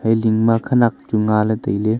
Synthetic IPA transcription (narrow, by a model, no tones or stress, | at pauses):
hajliŋmakʰɐnak̚d͡ʒuŋalɐtɐjle